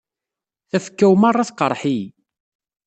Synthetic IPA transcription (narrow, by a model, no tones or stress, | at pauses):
θæfə̥kːæwmarˤːɑθqəɾˤħi